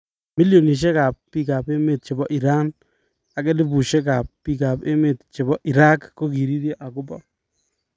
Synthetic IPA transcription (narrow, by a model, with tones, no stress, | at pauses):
mi˦ljo˨ni˨ʃ̬ɛ˦ka˨pːi˦ka˨be˦me˨t̚t͡ʃɪ˨bɔ˦ʔi˨ɾa˦n | a˨kɛ˦dɪ˦bu˨ʃe˦ka˨pːi˦ka˨pe˦me˨t̪t͡ʃe˨bɔ˦ʔi˨ɾa˦kko˦ki˨ɾi˦ɾjɔ˦ʔa˨kʊ˦bɔ˦